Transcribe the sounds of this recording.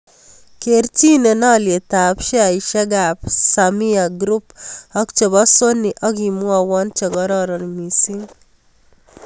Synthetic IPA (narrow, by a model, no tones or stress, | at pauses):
keɾt͡ʃinenaljet̪apʃeaiʃɛɡapsamiaɡɾupɔkt͡ʃebɔsonːiʔɔɡimuawɔnt͡ʃɔɡɔɾɔɾɔnmisi